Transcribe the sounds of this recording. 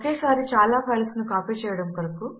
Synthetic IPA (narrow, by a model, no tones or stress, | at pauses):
ɐkeːsaːɾit͡ʃaːlaːpʰɐjlsnukaːpiːt͡ʃɛːjɐɽɐmpɐɾɐku